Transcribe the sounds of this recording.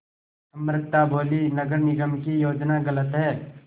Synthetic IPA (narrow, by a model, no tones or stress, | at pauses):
sɐmɾɪt̪ːabʱoːlinəɡəɾnɪɡəmkijoːd͡ʒnaɡələt̪ɦɛː